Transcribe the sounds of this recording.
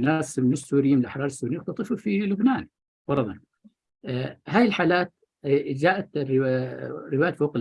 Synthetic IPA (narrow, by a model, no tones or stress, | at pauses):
nasmɪɪsːuːɾɪjiːmnɪlʔaħɾˤɑːɾˤɪsːuːɾijʊxt̪ɑt̪ˤɨfufilʊbnaːn | b̥ɑɾˤɑðˤɑn | ɦaːjɪlħaːlaːt̪̚ | d͡ʒaːʔat̪r | ɾːɪwaːjafoːqɪ